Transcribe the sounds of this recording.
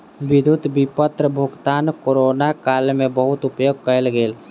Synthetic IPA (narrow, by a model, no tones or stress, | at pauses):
ʋɪd̪ʱʊd̪bipət̪ɾəbʱʊɡt̪aːnkoɾoːnakaːlmẽbəɦʊt̪ʊpjoːɡ̚kəelɡeːl